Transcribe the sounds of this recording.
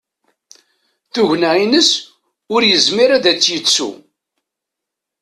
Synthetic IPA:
θʊʝnæinəs | ʊɾjəzmiɾæðæt͡sːjət͡sːṵ

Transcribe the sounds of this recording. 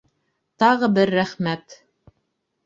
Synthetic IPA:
t̪ɑʁɤbɘɾːæχmæt̪

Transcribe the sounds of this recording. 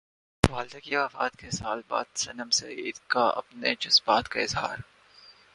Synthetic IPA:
ʋaːld̪akiaːfaːt̪kesaːlba̰ːd̪sɐnəmset̪kaɐ̰pned͡ʒʊsbaːt̪kaɪzɦa̰ːɾ

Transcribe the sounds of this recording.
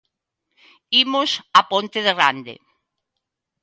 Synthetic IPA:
imʊsapont̪eðerand̪ḛ

